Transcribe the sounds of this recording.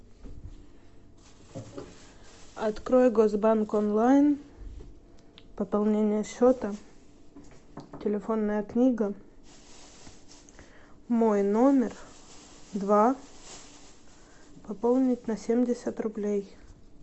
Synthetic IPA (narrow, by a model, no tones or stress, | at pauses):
ɐt̪kɾo̞jɡozbankonlˠajn | pəpɐlˠnʲenʲɪjəɕːot̪ə | tʲɪlʲɪfo̞nːəjəknʲiɡə | mojno̞mʲɪr | d̪va | pɐpolˠnʲɪtʲnɐsʲemʲdʲɪsʲət̪rʊblʲej